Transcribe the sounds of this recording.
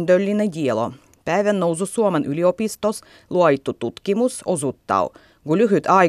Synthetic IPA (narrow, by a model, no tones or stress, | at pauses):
nd̪ølːineɟʲielo̰ | pæːʋænnowsusuomenʔyliopist̪os | lˠuɑjit̪ːut̪ut̪kimusosut̪ːɑ̰u | kulyɦyt̪ɑ